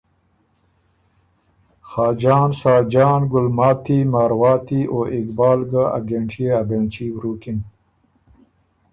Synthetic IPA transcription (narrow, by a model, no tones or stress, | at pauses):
xɑːd͡ʒɑːnsɑːd͡ʒɑːnɡʊlmɑːt̪imaːɾwɑːt̪iʔoʔɪkbɑːlɡaa̰ɡeɳʈeabeɳt͡ʃiwɾuːkin